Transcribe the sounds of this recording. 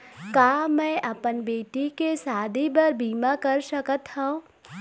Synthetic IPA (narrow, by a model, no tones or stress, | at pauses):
kaːmɛ̃ːʔɐpənbeːʈikesaːd̪ʱibɐɾbiːmãkɐɾʃɐkət̪hã